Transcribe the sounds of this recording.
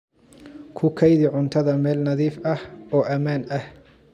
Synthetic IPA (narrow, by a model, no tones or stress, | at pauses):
kʰʊkʰɐjðɪʕʊnt̪ʰɐðɐmɛːlnɐðiːfʔɐhɔːʔɐmaːnʔɐh